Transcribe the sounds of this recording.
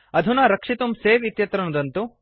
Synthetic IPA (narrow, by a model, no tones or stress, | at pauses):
ɐd̪ʱunɐːɾɐkʂit̪umseːʋit̪jɐt̪ɾɐnud̪ɐnt̪u